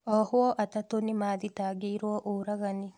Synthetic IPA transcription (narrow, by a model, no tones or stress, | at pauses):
ɔhwɔʔatatonimaːðitaːɡeiɾwɔʔoɾaɣani